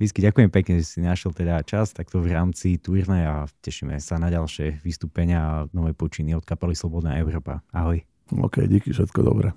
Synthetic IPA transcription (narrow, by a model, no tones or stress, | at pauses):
ʋiskiɟakujɛmɛpɛkɲɛʒɛsinaʃjɛlt̪ɛd̪at͡ʃast̪ak̚t̪ɔvɾaːmt͡sit̪uːɾnɛjacɛʃimɛ̰sanaɟalʃɛʋist̪uːpɛɲɪanɔʋɛjpɔt͡ʃiniɔt̪kapalislɔbɔd̪naːɛʊɾɔːpa̰aɦɔj | ɔ̰ːkɛ̰jɟikifʃɛt̪kɔd̪ɔ̰bɾɛ